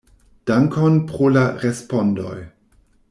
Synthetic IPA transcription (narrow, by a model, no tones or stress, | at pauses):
d̥aŋkonpɾolaɾespondo̰j